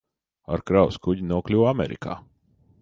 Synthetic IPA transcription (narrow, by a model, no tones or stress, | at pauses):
a̰ɾkɾawskuɟinuɔklʲuwamɛɾḭka̰ː